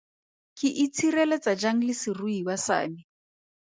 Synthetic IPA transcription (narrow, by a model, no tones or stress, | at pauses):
kʼɪʔit͡sʰirɛlɛt͡sad͡ʒaŋ̩lɪsiruiwasa̰ːmi